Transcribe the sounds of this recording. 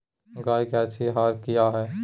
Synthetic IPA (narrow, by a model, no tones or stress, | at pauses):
ɡaːikɛt͡ʃʰiɦaːɾkijaɦɛː